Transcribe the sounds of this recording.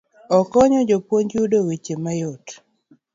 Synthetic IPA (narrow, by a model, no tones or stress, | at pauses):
ɔkɔɲɔd͡ʒopwoɲd͡ʒudowet͡ʃemajot